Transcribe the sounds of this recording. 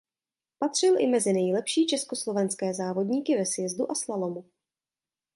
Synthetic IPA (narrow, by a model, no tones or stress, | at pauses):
pat̪r̝̥ɪlʔɪmɛzɪnɛjlɛpʃiːt͡ʃɛsko̞slo̞vɛnskɛːzaːvo̞dɲiːkɪvɛsvjɛzduʔaslalo̞mu